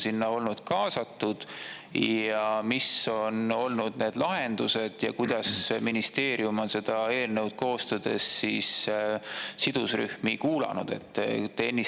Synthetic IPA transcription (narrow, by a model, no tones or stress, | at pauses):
sinːɑo̞lnud̪̥kɑːsɑt̪ːˑud̪̥ | jjɑmiso̞no̞lnud̪̥ne̞ːd̪lɑɦe̞nd̪̥use̞d̪̥jɑ̰kujd̪̥ɑsminist̪e̞ːɾijumo̞nse̞d̪̥ɑe̞ːlne̞wd̪̥̚ko̞ːst̪ɑd̪̥e̞̰sːiːs | sid̪̥usry̰hmikuːlɑ̰nṵd̪̥e̞̰t̪ːenːi